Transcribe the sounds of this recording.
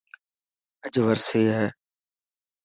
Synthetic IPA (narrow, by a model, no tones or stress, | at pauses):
əd͡ʒʋəɾseːɦɛː